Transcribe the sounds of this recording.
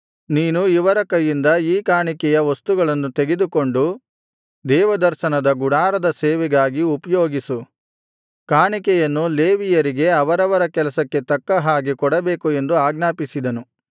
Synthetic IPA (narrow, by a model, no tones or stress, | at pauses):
niːnuiʋɐɾɐkɐjːind̪ɐiːkaːɳikɛjɐʋɐst̪uɡɐɭɐnːut̪e̞ɡed̪uko̞ɳɖu | d̪ɛːʋɐd̪ɐɾʃɐnɐd̪ɐɡuɽaːɾɐd̪ɐseːʋɛɡaːɡiupɐjo̞ːɡisu | kaːɳikɛjɐnːuleːʋijɐɾiɡe̞ɐʋɐɾɐʋɐɾɐkɛlɐsɐkːe̞t̪ɐkːɐɦaːɡikɔɽɐbeːkue̞nd̪uaːɡnaːpisid̪ɐnu